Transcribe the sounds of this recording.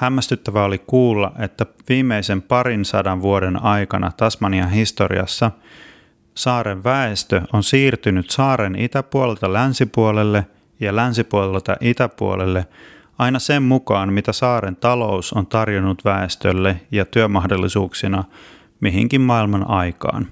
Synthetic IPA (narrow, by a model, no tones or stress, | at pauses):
hæmːæst̪yt̪ːæʋæolikuːlːɑ̰ʔe̞t̪ːæʋiːmːeisempɑɾinsɑdɑʋʋuodenɑjkɑnɑ̰t̪ɑsmɑniɑɦist̪orḭɑ̰sːɑ | sɑːɾeʋʋæest̪øonsiːrt̪ynyt̪sɑːɾenit̪æpuolelt̪ɑlænsipuolelːe | jɑlænsipuolet̪ɑ̰ʔit̪æpṵo̰lelːe̞ | ɑinɑsemmukɑːnmit̪æsɑːɾent̪ɑlo̞usont̪ɑrjonːut̪ʋæest̪ølːejɑt̪yømɑɦdolːisuːksinɑ | miɦḭŋkimmɑilmɑnʔɑjkɑ̰ːn